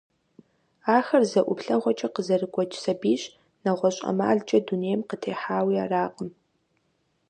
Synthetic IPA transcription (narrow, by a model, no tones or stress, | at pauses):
aːxɐrzɐʔʷʊpɬɐʁʷɔt͡ʃʼɐqəzɐrɨkʷʼɔt͡ʃʼsɐbiːɕ | nɐʁʷɔɕʼɐ̰ma̰ːɮt͡ʃʼɐduneːjɛmqətʰeːħaːwiːaːraːqʼəm